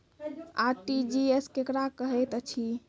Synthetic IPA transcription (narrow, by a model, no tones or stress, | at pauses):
aʈid͡ʒieskekɾakəɦɛt̪ət͡ʃʰi